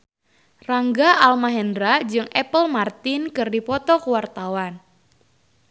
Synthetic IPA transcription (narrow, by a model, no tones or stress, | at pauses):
raŋɡaʔalmaɦɛndɾad͡ʒɨŋɛpəlmart̪ɪnkɨrdipɔt̪ɔkuwart̪awan